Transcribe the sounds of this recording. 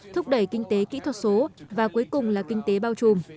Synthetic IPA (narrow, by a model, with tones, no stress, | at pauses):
t̪ʰʊ˦˥k͡p̚ɗə˧˩jkï˧ŋ̟t̪e˨˦kḭ˧˥t̪ʰwt̚so˨˦vaː˨˩ku˨˦jkʊ˨˩ŋ͡mlaː˨˩kï˧ŋ̟t̪e˨˦ɓaː˧wt͡ɕu˨˩m